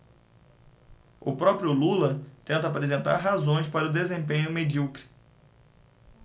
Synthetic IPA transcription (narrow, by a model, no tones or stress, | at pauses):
ʊ̰pɾɔpɾjʊlulɐt̪ẽnt̪ɐapɾezẽnt̪a̰ɾɦazõj̃spaɾɐʊd̪ezẽpẽɲʊmed͡ʒiukɾi̥